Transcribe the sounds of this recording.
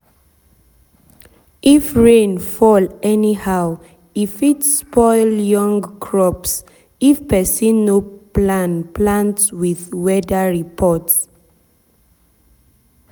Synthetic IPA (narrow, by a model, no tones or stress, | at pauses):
ʔifɹẽnfɔlɛnihaʊ | ifitspɔɪljɔ̃ŋɡkʰɹɔps | ifpɛsĩnːoplãnplãntwiðwɛdəɹipʰɔts